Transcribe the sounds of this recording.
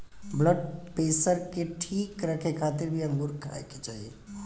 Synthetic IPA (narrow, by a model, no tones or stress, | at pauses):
bləɖ̚peːsəɾkeʈʰiːkɾəkʰekʰaːt̪ɪɾbʱiəmɡuɾkʰa̰eket͡ʃaːɦie